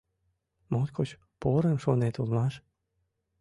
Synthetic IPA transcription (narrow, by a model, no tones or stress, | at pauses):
mot̪kʰot͡ɕ | poɾəmʃonet̪ulmɑʃ